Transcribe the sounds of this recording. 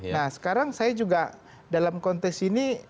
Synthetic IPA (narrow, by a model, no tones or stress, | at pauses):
nahsə̥kaɾaŋsajad͡ʒuɡa | dalamkɔnt̪ɛksini